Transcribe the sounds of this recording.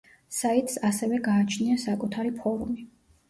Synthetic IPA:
sait̪ʼsasɛvɛɡaːt͡ʃʰniasakʼut̪ʰaɾipʰɔɾumi

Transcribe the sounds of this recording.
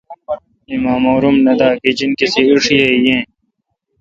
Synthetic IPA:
imãːmoːɾumnɐd̪aːkid͡ʑinkiseuʂijejẽː

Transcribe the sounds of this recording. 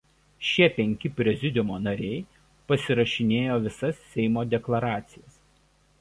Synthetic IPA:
ʃʲiɛpʲɛŋʲkʲɪpʲɾʲɛzʲɪd̪ʲɪmoːnɐɾʲɛɪ | pɐsʲɪɾɐʃʲɪnʲeːjoːʋʲɪsɐsːʲɛɪmoːd̪ʲɛklˠɐɾɑːt̪sʲɪjɛs

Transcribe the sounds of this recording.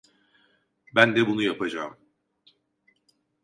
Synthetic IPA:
bænd̪ɛbunujapʰad͡ʒaːm

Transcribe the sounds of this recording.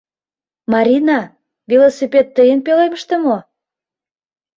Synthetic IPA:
mɑɾʲinɑ | vilosipʲet̪ːəjənpeleməʃt̪ĕmo

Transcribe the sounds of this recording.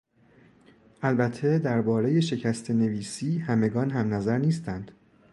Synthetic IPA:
ʔælbæt̪ʰːe̞d̪æɾbɒːɾe̞je̞ʃe̞cʰæst̪ʰe̞ne̞viːsiːhæme̞ɡɒːnɦæmnæzæɾniːst̪ænd̪̥

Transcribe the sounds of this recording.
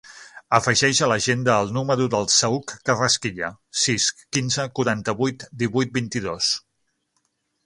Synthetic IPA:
əfəʒɛʃələʒend̪əːlˠnuməɾuðəlˠsəukːərəskiʎəsiskinzəkuɾant̪əβujt̪d̪iβujt̪̚bint̪iðos

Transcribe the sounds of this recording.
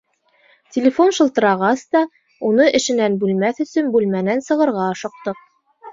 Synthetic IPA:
tʲɪlʲɪfo̞nʃɤ̆lˠt̪ɤ̆ɾɑʁɑst̪ɑ | unɤʔɘ̆ʃɘ̆nænbʉlmæθɵ̆sɵnbʉlmænænsɤ̆ʁɤ̆ɾʁɑɤʃɤ̆q̚t̪ɤq̚

